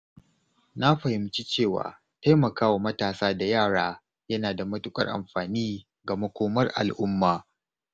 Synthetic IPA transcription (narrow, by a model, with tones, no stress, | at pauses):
na˦ɸɐ˨hɪ˨mt͡ʃi˦t͡ʃeː˦˨wa̰ː˨ | ta˦jmɐ˨kaː˦wa˨mɐ˦taː˨saː˦da˨jaː˦˨ɽaː˦ | jɐ˦naː˨da˨mɐ˦tʊ˦kʼɐ̰˦rʔa̰˨mɸaː˨niː˦ | ɡa˨mɐ˦kʷoː˦mɐ˦rʔa̰˨lʔʊ˦mːaː˨